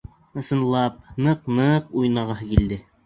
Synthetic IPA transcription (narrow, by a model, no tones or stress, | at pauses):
ɤ̆sɤ̆nlˠɑp̚nɤqnɤqujnɑʁɑɦɤkild̪ɘ